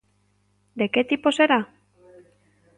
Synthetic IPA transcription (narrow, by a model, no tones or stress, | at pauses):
d̪eket̪iposeɾa